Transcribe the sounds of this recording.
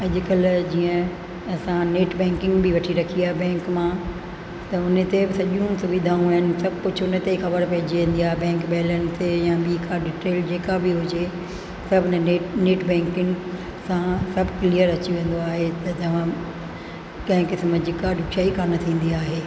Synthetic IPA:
ɐʄɪkəld͡ʑiːə̃ | ɐsãneːʈbɛ̃ːŋkɪ̃ŋɡbɪʋɐʈʰiɾɐkʰiaːɦebɛ̃ːŋkmã | t̪ɐʊnət̪ebɪsɐʄũsʊʋid̪ʱaːũaɦɪnɪ̆sɐbʱkʊd͡ʑʰʊnət̪exɐbəɾpɐɦɪd͡ʑiʋẽːnd̪iaːɦebɛ̃ːŋkbɐɦɪlənɪ̆t̪ʰejãbikʰaɖɪʈɾeːld͡ʑeːkabɪɦʊd͡ʑe | sɐbʱɪnəeneːʈbɛ̃ːŋkɪ̃ŋɡ | sãsɐbʱklijəɾɐt͡ɕiʋẽːn̆d̪oaːɦet̪ɐt̪ɐʋ̤ã | kɐ̃ɦɪ̃kɪsmd͡ʑɪkaɗʊʃaːikʰaːnɐt̪ʰĩːn̆d̪iaːɦeː

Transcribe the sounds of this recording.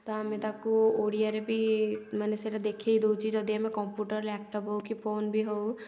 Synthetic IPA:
t̪ɔamẽt̪akuoɽijaɾebʱimɛneseɾad̪ekʰeɦid̪out͡ʃʰid͡ʒɔd̪iamẽkɔmpjuʈəɾɛk̚ʈɔpɦowkipʰoːnbʱiɦow

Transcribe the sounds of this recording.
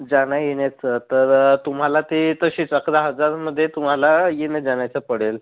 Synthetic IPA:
d͡zaɽ̃ajenat͡sət̪əɾt̪um̤ɦalat̪iːt̪əɕiːt͡səkɾaɦəd͡zaɾməd̪ʱːjet̪um̤alajened͡zaɳjat͡səpəɽ̤el

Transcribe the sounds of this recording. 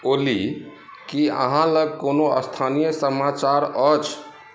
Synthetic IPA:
oli | kiə̰ɦãləɡ̚konoə̰st̪ʰanijəsəmat͡ʃaɾət͡ʃʰ

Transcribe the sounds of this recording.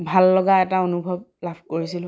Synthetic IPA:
bʱalːɔɡaɛtaonubʱɔb̚lab̥ʱkoɹisilʊ̃

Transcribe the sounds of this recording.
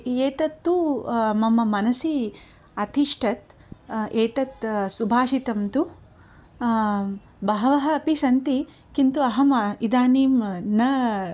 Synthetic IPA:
eːt̪ɐt̪ːumɐmɐmɐnɐsi | ɐt̪ʰiʂʈʰɐt̪ | eːt̪ɐt̪subʱaːʂit̪ɐmt̪u | bɐɦɐʋɐɦɐ̆ːpisɐnt̪i | kint̪uɐɦɐmid̪aːniːmnɐ

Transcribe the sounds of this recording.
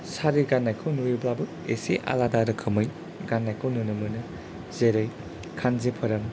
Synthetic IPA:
saɾiɡanːajkʰɯnujublabɯ | eseʔa̰ladaɾɯkʰɯmɯj | ɡanːajkʰownunɯmɯnɯ | zeɾɯj | kʰanzepʰɐɾɐm

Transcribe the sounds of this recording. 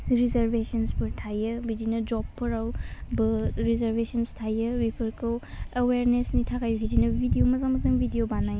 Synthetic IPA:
ɾizɐɾbesɐnspʰɯɾtʰajɯbidinɐd͡ʒɔpʰːɯɾawbɯɾizeɾbesɐnstʰajɯbipʰɯɾkʰɯweweɾnesnitʰakajuɡidinɐbʱidijomɐzamɐzɯŋbʱidijobanaj

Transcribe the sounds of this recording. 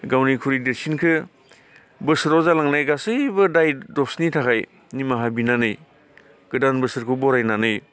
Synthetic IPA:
ɡawnikʰuɾideɾsinkʰɯ | bɯsɾɔzalaŋnajɡasɯbɯdajdɔsnitʰakʰaj | nimaɦabinanɯj | ɡ̥ɯdanbɯsɯɾkʰɯbɔɾajnanɯj

